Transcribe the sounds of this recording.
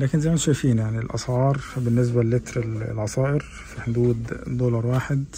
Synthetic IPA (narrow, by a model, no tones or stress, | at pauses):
læːkɪnzæjmænʃæjfiːnjaʕnilʔɑ̰sʕɑːɾˤbɪnːɪs̬bælːɪt̪ɾɪl̰lʕɑsˤɑːʔɪɾ | fiħod̪uːd̪d̪oːlɑɾˤwaːħed̪